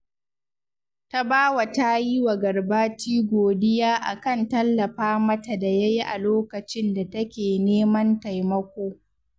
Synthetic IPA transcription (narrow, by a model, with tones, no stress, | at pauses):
ta˦baː˦wa˨ta˦ji˦wa˨ɡɐ˨rbaː˦t͡ʃiː˦ɡʷoː˨dɪ˦jaː˦ʔa̰˨kɐ˦˨ntɐ˦lːɐ˨ɸaː˦mɐ˦ta˨da˨ja˦ji˦ʔa̰˨loː˦kɐ˨t͡ʃɪ˦nda˨tɐ˦kʲeː˨neː˦mɐ˦nta˨jmɐ˦kʷoː˦